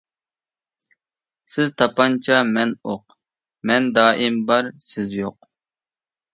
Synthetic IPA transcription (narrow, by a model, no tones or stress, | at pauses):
sɪzt̪ʰɑpɑnt͡ʃʰɑmɛnoq | mɛnd̪ɑːʔimbɑɾsɪzjoq̚